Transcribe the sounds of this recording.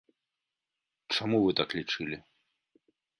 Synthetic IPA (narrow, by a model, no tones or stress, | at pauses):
t͡ʂamuvɨt̪aklʲit͡ʂɨlʲi